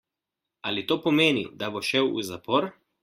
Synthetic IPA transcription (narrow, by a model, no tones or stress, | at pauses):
alit̪oːpɔmeːnḭd̪aboʃɛwṵzapɔɾ